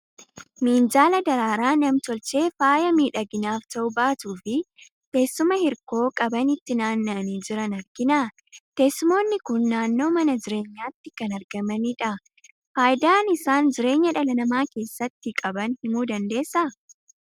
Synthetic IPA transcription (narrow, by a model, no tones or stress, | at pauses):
miːnd͡ʒaːlɐd̪ɐɾaːɾaːnɐmt̪ɔlt͡ʃe̞ːfaːjɐmiːᶑɐɡɪnaːft̪ɐʔʊbaːt̪uːfɪ | t̪e̞ːsːʊmɐhɪɾko̞ːkʼɐbɐnɪt̪ːɪnaːnːɐɐniːd͡ʒɪɾɐnɐɾɡɪnaː | t̪e̞ːsːʊmo̞ːnːɪkʊnːaːnːo̞ːmɐnɐd͡ʒɪɾe̞ːɲːaːt̪ːɪkɐnɐɾɡɐmɐnɪᶑɐ | faːjd̪aːnɪsaːnd͡ʒɪɾe̞ːɲːɐᶑɐlɐnɐmaːke̞ːsːɐt̪ːɪkʼɐbɐnhɪmuːd̪ɐnd̪e̞ːsːɐ